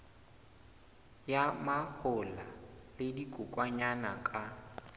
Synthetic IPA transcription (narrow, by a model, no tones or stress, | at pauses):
jamahʊlalɪdikʼʊkʼwaɲanakʼa